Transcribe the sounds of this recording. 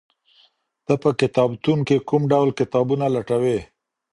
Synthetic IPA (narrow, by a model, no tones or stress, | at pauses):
d̪̥əpəkɪt̪ɑbt̪unkekumɖawlkɪt̪ɑbunalaʈawe